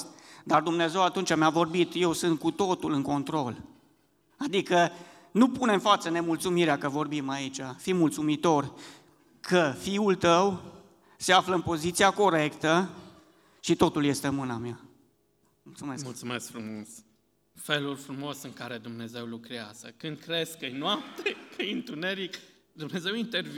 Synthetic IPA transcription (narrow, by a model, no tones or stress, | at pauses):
d̪ard̪umneeze̞wat̪unt͡ʃameavo̞rbit̪je̞wsɨnt̪̚kut̪o̞t̪ulɨŋko̞nt̪ɾo̞l | ad̪ikə | nupune̞mfat̪səne̞mult̪sumiɾeakəvo̞rbimait͡ʃafimult̪sumit̪o̞r | kʰəfiult̪əw | se̞afləɨnpo̞zit̪siako̞ɾe̞kt̪ə | ʃit̪o̞t̪ulje̞st̪e̞mɨnamja | mult̪sumesmult̪sumeskfɾumos | fe̞lulʲfɾumo̞sɨŋkaɾe̞d̪umne̞ze̞wlukɾeaz̥əkɨnd̪̚kɾe̞zkkɨjnoap̚t̪ekɨjɨnt̪une̞ɾik | d̪umne̞ze̞wint̪erv